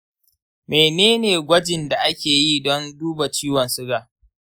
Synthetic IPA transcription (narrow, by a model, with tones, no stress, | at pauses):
meː˨neː˦neː˨ɡʷɐ˦d͡ʒɪ˨nda˨ʔa˦kʲeː˨jiː˦dɔ˦nduː˦ba˨t͡ʃiː˦wɔ˨nsʊ˦ɡaː˨